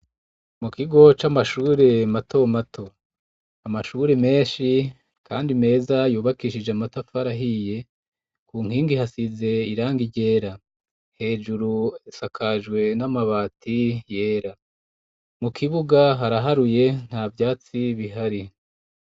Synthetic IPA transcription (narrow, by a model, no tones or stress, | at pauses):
mukiɡo̞t͡ʃamaʃuːɾe̞matʰo̞matʰo̞ | amaʃuɾe̞me̞ːʃi | ka̰ːndime̞ːzajuːβakiʃid͡ʒeamatafaɾaɦije̞ | kuːŋhiːŋɡihasize̞iɾaːŋɡiɟe̞ːɾa | he̞ːʒuɾuisakʰaʒɡwe̞namaβaːtije̞ːɾa | mukʰiβuɡaɦaɾaɦaɾuje̞n̥havjaːt͡siβiɦaɾi